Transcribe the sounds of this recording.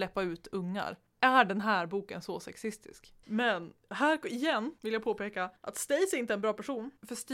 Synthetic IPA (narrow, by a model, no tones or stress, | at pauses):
lɛpːaʉ̟ːt̪ʰɵŋːa̰ɾ | ʔæɖɛnɦæːɾbuːkənsɔsɛ̰ksɪst̪ɪ̰sk | mɛnɦæːɾɪjɛnːvɪljapʰoːpeːkaʔa̰t̪st̪ɛjsɛɾɪnt̪əɛnbɾɑːpʰæʂuːnfœʂt̪